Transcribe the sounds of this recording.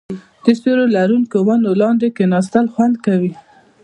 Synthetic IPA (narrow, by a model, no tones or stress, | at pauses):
d̪̥əst̪oɾolaɾunkowanolɑnd̪ekenɑst̪alxwand̪kawi